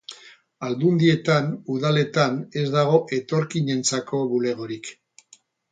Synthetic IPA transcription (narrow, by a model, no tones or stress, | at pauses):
ald̪und̪ie̞t̪anuðale̞t̪ane̞zd̪aɣ̞o̞ʔe̞t̪o̞ɾkiɲe̞nt͡sako̞βule̞ɣ̞o̞ɾik